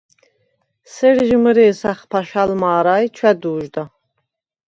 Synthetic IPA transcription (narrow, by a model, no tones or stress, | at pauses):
sɛɾʒməɾɛːsaχpʰaʃalmaːɾajt͡ʃʰwɛd̪uːʒd̪a